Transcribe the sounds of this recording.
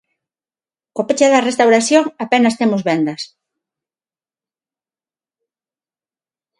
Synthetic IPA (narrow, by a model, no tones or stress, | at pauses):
kopet͡ʃaðɐrest̪awɾaθjoŋapenɐst̪emʊzβɛnd̪ɐs